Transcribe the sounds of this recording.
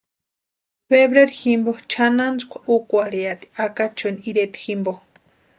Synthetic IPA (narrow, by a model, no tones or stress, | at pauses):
feβɾeɾiximbot͡ʃʰanand͡zkʷḁʔukʷaɾeat̪i̥akat͡ʃoniiɾet̪i̥ximbo